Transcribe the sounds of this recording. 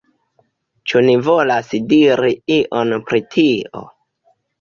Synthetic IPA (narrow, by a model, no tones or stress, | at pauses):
t͡ʃunivo̞lasdiɾiiʔonpɾitʰio̞̰